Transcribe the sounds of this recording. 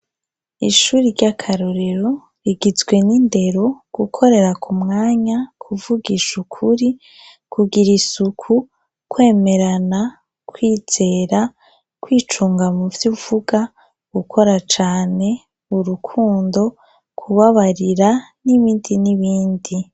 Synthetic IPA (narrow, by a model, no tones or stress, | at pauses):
iʃuːɾiɾɟakʰaɾoɾeɾo̞ | ɾiɡizɡwe̞ninde̞ɾo̞ɡ̥ukʰo̞ɾe̞ɾakʰumŋaːɲakʰuvuɡiʃukʰuɾi | kʰuɡiɾisukʰu | kwe̞ːme̞ɾana | kwiːz̥e̞ːɾa | kwiːt͡ʃuːŋɡamuvjuːv̥uɡa | ɡ̥ukʰo̞ɾat͡ʃaːne̞ | uɾukʰuːndo̞ | kʰuβaβaɾiɾaniβiːndiniβiːndi